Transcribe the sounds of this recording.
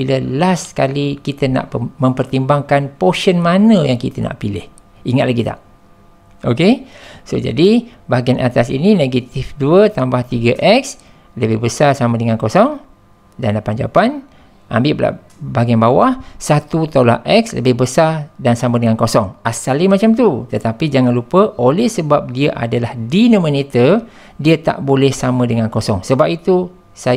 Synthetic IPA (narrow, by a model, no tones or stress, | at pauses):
biləlaskalikit̪əna̰ʔpmə̃mpərt̪imbaŋkanpoʃənmanəjaŋkit̪əna̰ʔpilɪ̰h | iŋat̪̚laɡit̪a̰ʔ | ʔokesod͡ʒa̰dibaɡianat̪asḭnineɡat̪ifduət̪ambaht̪iɡəʔɛk̚s | ləbɪhbəsarsamədəŋankosɔŋ | danlapand͡ʒa̰pan | ʔa̰mbɪʔpla̰ | baɡianbawahsat̪ut̪ola̰ʔɛkslə̰bɪhbəsardansamə̃dəŋankosɔŋasalimat͡ʃamt̪ut̪ət̪apid͡ʒaŋanlupəʔolɛhsəbap̚diəʔa̰dalahdinomə̃nit̪ə | diət̪a̰ʔbolɛhsamə̃dəŋankosɔŋsəbap̚it̪u | sa